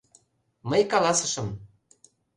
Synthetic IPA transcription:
məjkɑlɑsə̆ʃɤ̆m

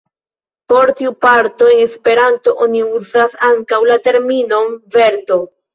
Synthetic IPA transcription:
po̞ɾtiupaɾto̞e̞ŋe̞spe̞ɾanto̞ʔoniuzasaŋkawlate̞ɾmino̞mve̞ɾto̞

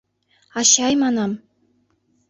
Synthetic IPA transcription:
ɑɕɑjmɑnɑm

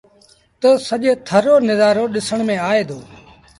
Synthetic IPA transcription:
t̪əsəʄet̪ʰəɾoːnɪzaːɾoːɗɪsəɳ̃mẽːaːeːd̪ʱoː

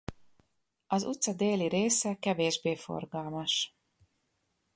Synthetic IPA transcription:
ɒzut̪sɒd̪eːliɾeːsɛkɛveːʒbeːfo̞̰rɡɒlmɒʃ

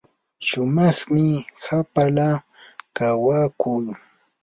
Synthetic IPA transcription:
ʃʊmɑχmɪhapala | kawaːkʊj

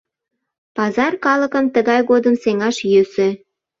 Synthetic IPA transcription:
pɑzɑrkɑləkəmt̪əɣɑjɣod̪əmseŋɑʃjøse

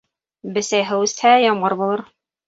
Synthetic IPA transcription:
bɘ̆sæjɦɤwʉst̪hæjɒmʁɤɾbulˠɤɾ

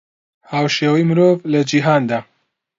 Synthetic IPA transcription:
haːwʃeːwijmɨɾoːvlɐd͡ʒiɦaːnd̪aː

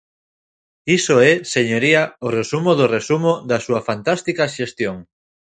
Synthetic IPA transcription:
isoɛseɲoɾiaoresumoðoresumoðasuafant̪ast̪ikaʃest̪joŋ

